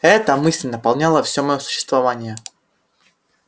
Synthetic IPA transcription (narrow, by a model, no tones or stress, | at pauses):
ɛt̪əmɨsʲlʲnəpɐlˠnʲalˠəfsʲomɐjo̞sʊ̥ɕːɪ̥st̪vɐvanʲɪjə